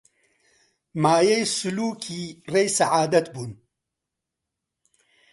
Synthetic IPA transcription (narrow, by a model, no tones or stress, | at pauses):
maːjejsʊluːkʰiːrejsaʕaːd̪ɐt̪buːn